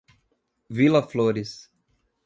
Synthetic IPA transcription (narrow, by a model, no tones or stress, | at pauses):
vilɐfloɾis